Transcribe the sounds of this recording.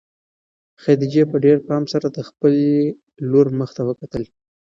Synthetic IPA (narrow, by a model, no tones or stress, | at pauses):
xad̪id͡ʒepəɖeɾpɑmsaɾad̪əxpəl | loɾməxt̪awəkat̪əl